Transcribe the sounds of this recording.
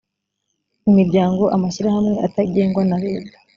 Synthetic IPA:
imiɾɟaːŋɡo̞ʔamaʃiɾahamŋe̞ʔataɟe̞ːŋɡwanaɾeːba

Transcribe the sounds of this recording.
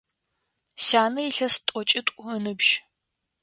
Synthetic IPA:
saːnɐiɬɐstʷʼɔt͡ʃʼɪtʷʼʊənɨbʒ̥

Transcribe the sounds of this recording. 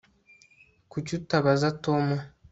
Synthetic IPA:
kucutaβazatoma

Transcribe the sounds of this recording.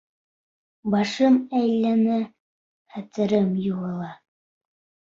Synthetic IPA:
bɑʃɤmæjlːæmɘ | χæt̪ɘ̆ɾɘmjulˠɤ̆lˠɑ

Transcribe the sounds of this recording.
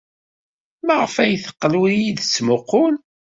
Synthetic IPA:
mæʁəfæjθə̥qːəlwijiðət͡sːmʊqːʊn

